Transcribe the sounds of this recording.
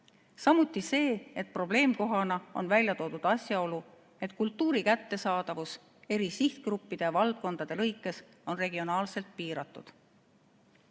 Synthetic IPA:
sɑmut̪ːˑise̞ːet̪̚pro̞ble̞ːmko̞ɦɑnɑo̞̰nvælʲjɑt̪o̞ːd̪̥ud̪̥ɑsjɑo̞lu | e̞t̪kult̪ːuːɾikæt̪ːe̞sɑːd̪̥ɑvus | e̞ɾisiht̪krupːid̪̥e̞jɑvɑld̪̥̚ko̞nd̪̥ɑd̪̥e̞lɤjkːˑe̞s | o̞nre̞ɡ̥io̞nɑːlse̞lt̪̚piːɾɑt̪ːˑud̪̥

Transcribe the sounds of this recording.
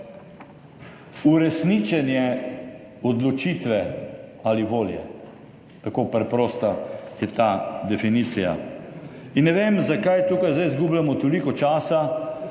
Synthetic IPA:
uɾɛsnit͡ʃɛnjɛ | ɔd̪lɔt͡ʃiːt̪ʋɛaliʋoːljɛ̰ | t̪akoːpɾɛpɾɔːst̪ajɛt̪ad̪ɛfiniːt̪sija̰ | inːɛʋemzakajt̪uːkajzd̪ajzɡublamɔt̪olikɔt͡ʃaːsa

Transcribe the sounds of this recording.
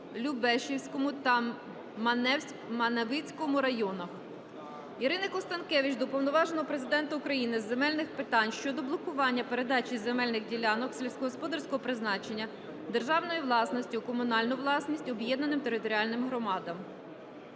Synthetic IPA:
lʲubɛʃiwsʲkɔmʊt̪ɐ | mɐnɛ | mɐnɐʋɪt͡sʲkɔmʊɾɐjɔnɐx | iɾɪnɐkɔst̪ɐnkɛʋʲit͡ʃd̪ɔpɔwnɔʋɑʒenɔɦɔpɾezɪd̪ɛnt̪ɐukɾɐjinɪzːe̞mɛlʲnɪxpɪt̪ɑnʲʃt͡ʃɔd̪ɔblˠɔkʊʋɑnʲːɐpeɾe̞d̪ɑt͡ʃizemɛlʲnɪɣdʲilʲɑnɔkselʲwsʲkɔɦɔspɔd̪ɐrsʲkɔɦɔpɾɪznɑt͡ʃenʲːɐ | d̪erʒɑwnɔjiʋlˠɑsnɔsʲtʲʊkɔmʊnɑlʲnʊʋlˠɑsnʲisʲtʲɔbjɛd̪nɐnɪmt̪e̞ɾɪt̪ɔɾʲiɑlʲnɪmɦɾɔmɑd̪ɐm

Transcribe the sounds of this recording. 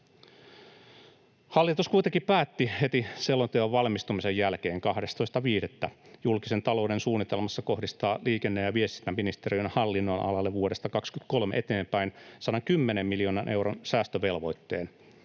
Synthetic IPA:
hɑlːit̪uskujt̪eŋkipæːt̪ːihe̞t̪iselːot̪eoʋʋɑlmist̪umisejjælk̟e̞ːŋkɑhdest̪ojst̪ɑʋiːdet̪ːæjulkise̞nt̪ɑlo̞wde̞nsuːnːit̪e̞lmɑsːɑko̞hdist̪ɑːliːkenːejjɑʋie̞st̪inːæmːinist̪eɾiønhɑlːinːonʔɑ̰lɑlːeʋuode̞st̪ɑkɑkskyt̪ko̞lmeʔe̞t̪e̞ːmpæjnsɑnɑkymːenemːiljo̞ːnɑnʔe̞wɾonsæːst̪øʋe̞lʋo̞jt̪ːe̞ːn

